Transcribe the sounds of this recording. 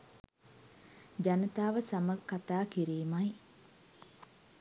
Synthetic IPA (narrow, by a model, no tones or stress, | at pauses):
d͡ʒanət̪aːʋəsaməkːat̪aːkiɾiːmaj